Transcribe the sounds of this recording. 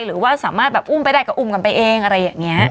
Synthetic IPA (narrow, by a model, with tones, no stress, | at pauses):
jɾɯː˩˦waː˥˩saː˩˦maː˥˩t̪̚bɛː˨˩p̚ʔu˥˩mpa˧jdaː˥˩jka˧˩ʔu˧˥˩mka˧npa˧jʔeː˧ŋʔa˧ɾa˧jːaː˨˩ŋːi˦˥ɐ